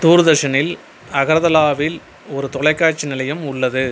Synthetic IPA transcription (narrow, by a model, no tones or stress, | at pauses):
t̪uːɾɯðɐʂɐnɪl | ɐɣɐɾɐðɐlaːʋɪl | ɔɾɯt̪ɔɭɐɪkːaːt͡ʃːinɪlɐjɯmʊɭːɐðɯ